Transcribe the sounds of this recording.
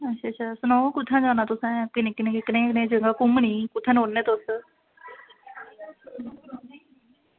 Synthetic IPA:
ətːʃʰaːʃʰaːsənɔ̃ːkʊt̪ʰːãːd͡ʒãːnãːt̪ʊsɛ̃ːkɪneknẽeknẽːknẽːd͡ʒəŋɡaːkʊmɳiːkʊt̪ʰːãːnɦoːnːẽːt̪ʊs

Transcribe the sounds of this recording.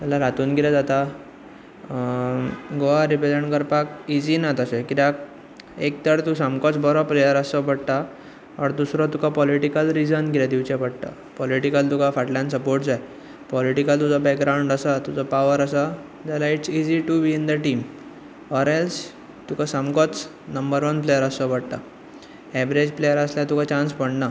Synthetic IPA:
t̪alaɾat̪uːnɡilad͡zat̪a | ɡoʋaɾibeləɳkəɾpakid͡ʑinat̪əsekiɾak̚ | ek̚t̪əɽt̪usamkɔt͡sbɔɾɔpɾijaɾəsɔpəɽt̪a | ɔɽd̪usɾɔt̪ukʰapɔliʈikəlɾid͡zənɡilad̪iʋt͡ɕɛ̃pəɽt̪a̰ | pɔliʈikəlt̪ukafaʈljãnsəpoɾʈd͡zaj | pɔliʈikəlt̪ud͡zɔbɛkɡɾawũɳɖəsat̪ud͡zɔpaʋəɾəsa | d͡zalaiʈsid͡ʑiʈubiːnd̪əʈiːm | ɔɾɛls | t̪ukʰasamkɔt͡s | nəmbəɾʋənplejəɾəsɔpəɽʈ̪a | ɛʋɾed͡ʑplejəɾəsljat̪ukʰat͡ɕãnspəɽna

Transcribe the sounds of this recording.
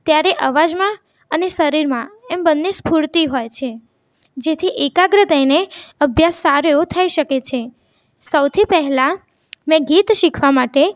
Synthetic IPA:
t̪jaɾeʔəʋad͡ʒmã | ənesəɾiɾmãɛmbənːespuɾt̪iɦojt͡ʃʰe | d͡ʒet̪ʰiʔekaɡɾəd̪əjneəbʱjasːaɾejot̪ʰəiʃəket͡ʃʰe | səwt̪ʰipɛɦla | mɛ̃ɡit̪ʃikʰʋamaʈe

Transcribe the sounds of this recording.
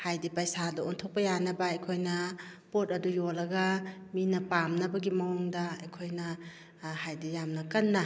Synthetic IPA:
hajdipajsadɐontʰok̚pɐjanɐbɐɐjkʰojnɐpotɐdujolɐɡɐminɐpamnɐbɐɡimɐwoŋdɐɐjkʰojnɐ | hajdijamnɐkɐnːɐ

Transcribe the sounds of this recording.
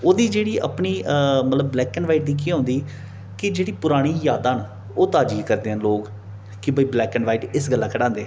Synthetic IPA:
oːd̪iːd͡ʒeːɽiːʔə̰pɳiːmət̪ləbːlɛːkənʋaːɪʈ̚d̪iːk̬iɦõːnd̪iː | kɪd͡ʒeːɽiːpʊɾaːɽ̃iːjaːd̪ãːn | oːt̪aːd͡ʒiːkəɾd̪eːənloːk | kɪbəiːblɛːkəɳʋaːiːʈɪsɡəlːãːkʰəɽãːnd̪eː

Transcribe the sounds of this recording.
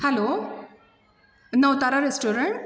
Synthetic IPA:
hɛlo | nəwt̪aɾaɾesʈoɾəɳʈ

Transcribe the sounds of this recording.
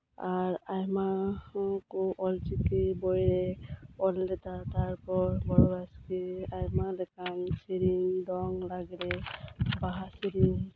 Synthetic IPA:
aɹajma | kʊʔɔlzikibɔjɹɛɔldɛtataɹpɔɹbɔɹɔaskiajmalɛkʰansiɹindɔŋlaɡilɛbaɦasiɾin

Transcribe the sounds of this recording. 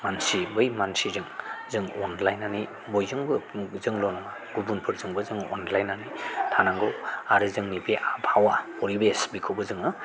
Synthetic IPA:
mansibɯjmansizɯŋzɯŋɔnlajnani | bojzɯŋbɯzɯŋlɔnma | ɡ̥ubunpʰɯɾzɯŋbɯzɯŋɔ̰nlajnanitʰanaŋɡɯwaɾɯzɯŋnibeʔabʰawa | ɔɾibesbikʰɯwbɯzɯŋɯ

